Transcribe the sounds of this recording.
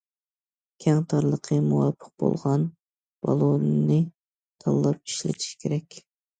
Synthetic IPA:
kʲʰɛŋt̪ʰɑɾlˠəqʰəmuwɑpʰːə̥q̚bo̰lˠʁɑn | b̥ɑlˠonːɨ | t̪ʰɑlˠːɑp̚i̥ʃlɪ̰t̪ʰi̥ʃkʲʰeɾɛkʲ

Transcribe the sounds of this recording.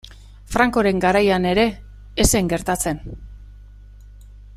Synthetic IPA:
fɾaŋko̞ɾe̞ŋɡaɾajane̞ɾe̞ː | se̞ŋɡe̞ɾt̪at͡se̞n

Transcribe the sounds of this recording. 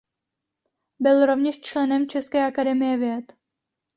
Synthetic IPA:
bɪlɾo̞vɲɛʃt͡ʃlɛnɛmt͡ʃɛskɛːʔakadɛmɪjɛvjɛt̪

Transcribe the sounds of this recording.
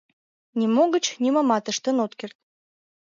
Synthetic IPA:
nʲimoɣə̆t͡ɕnʲimɑmɑt̪əʃt̪ə̆not̪kert̪̚

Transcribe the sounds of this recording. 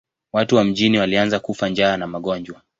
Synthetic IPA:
watuwam̩ʄiniwalianzakufand͡ʒaːnamaɠɔnd͡ʒwa

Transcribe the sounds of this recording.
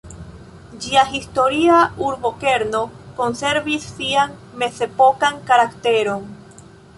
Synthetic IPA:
d͡ʒiaɦisto̞ɾiauɾbo̞ke̞ɾno̞ko̞nse̞ɾvisːiaŋme̞se̞po̞kaŋkaɾakt̪e̞ɾo̞n

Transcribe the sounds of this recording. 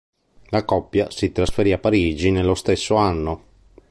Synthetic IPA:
lakɔpːjasit̪ɾasfeɾiapːaɾiːd͡ʒinelːost̪esːoanːo

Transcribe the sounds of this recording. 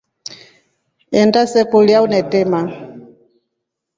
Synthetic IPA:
ɛndasɛkuliaunɛtɛma

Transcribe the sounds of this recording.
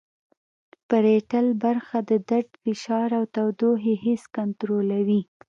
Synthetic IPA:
pəɾeʈalbaɾxad̪əd̪aɖ̪fɪʃɑɾawt̪awd̪oɦeheskant̪ɾolawi

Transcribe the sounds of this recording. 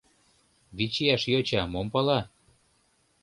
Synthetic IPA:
βit͡ɕiæʃjot͡ɕɑmompɑlɑ

